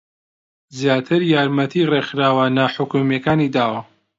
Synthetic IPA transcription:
zjaːt̪ʰɨɾjaːɾmɐt̪ʰirexɾaːwanaːħʊkumjekaːnid̪aːwɐ

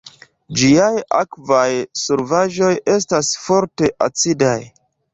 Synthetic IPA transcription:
d͡ʒiaja̰kvajsuɾvaʒo̞je̞s̬tasfo̞ɾte̞ʔa̰t͡sidaj

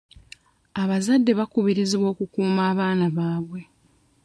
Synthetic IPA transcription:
aβazadːe̞βakuβiɾiziβwo̞ːkukuːmaːβaːnaβaːβwe̞

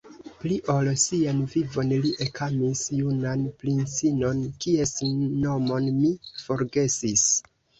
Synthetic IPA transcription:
pliʔolsianvivo̞nliʔekʰamisjunanplinsino̞nkie̞sno̞mo̞nmifo̞ɾɡe̞sis

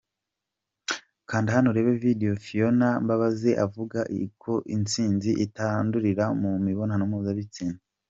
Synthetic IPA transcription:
kaːndihanoɾe̞ːβe̞videjofionambaβaze̞ʔavuɡaʔḭkʰo̞ʔint͡siːnziʔitanduɾiɾamumiβo̞nhanomuːzaβit͡siːna

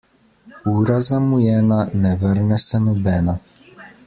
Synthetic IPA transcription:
uːɾazamujɛːnanɛʋəɾnɛsɛnɔbɛːna

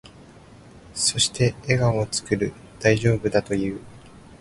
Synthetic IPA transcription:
so̞ɕi̥t̪ʰe̞ːɡaot͡sɨ̥kɯɾɯ̟ | d̪̥aiʑo̞ːbɯ̟d̪at̪o̞jɯ̟ː

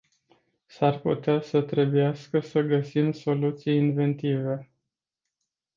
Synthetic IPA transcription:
sarpṵt̪easət̪ɾe̞bujaskəsəɡəsimso̞lut̪sijinve̞nt̪ive̞

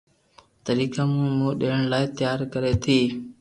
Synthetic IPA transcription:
t̪əɾiːkaːmũːmũːɗeːɳlaːet̪ɪjaːɾkəɾeːt̪ʰiː

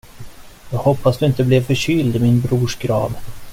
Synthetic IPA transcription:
j̪ɑːɡhɔpʰːasd̪ɵɪnt̪əblɛvfœɕʏld̪ɪmɪnbɾuːʂɡɾɑ̰ːd̪

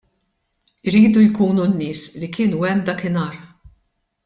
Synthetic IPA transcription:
ɪɾiːd̪ujkuːnunːɪːslikɪːnuɛmːd̪ɐːkɪnɐːɾ

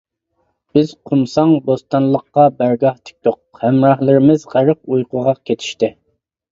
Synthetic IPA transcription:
b̥ɪz̥qʰumsɑŋbost̪ɑnlˠəqːɑbæɾɡɑht̪ʰɪ̥k̚ʲt̪oqhɛmɾɑhlˠɪɾɪmɪzʁæɾɨq̚ujqʰʊʁɑkʲʰet̪ʰi̥ʃt̪ɪ

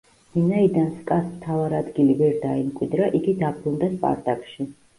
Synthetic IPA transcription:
vinaid̪anskʼasmt̪ʰavaɾad̪ɡilivɛɾd̪aimkʼwid̪ɾaʔiɡid̪abɾund̪aspʼa̰ɾt̪ʼakʼʃi

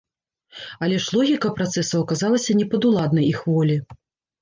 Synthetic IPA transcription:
ɐlʲɛʂlˠɔɣʲikɐpɾat̪sɛsɐwɐkazalˠɐsʲɐnʲɛpɐd̪ulˠad̪nɐjixvɔlʲi

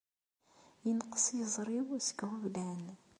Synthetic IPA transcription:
jənqə̥sjəzˤɾˤiwsə̥ɡhuvlæn

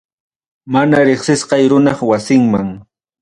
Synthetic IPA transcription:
manaɾeχsɪsqɑjɾʊnɑχwasɪŋmaŋ

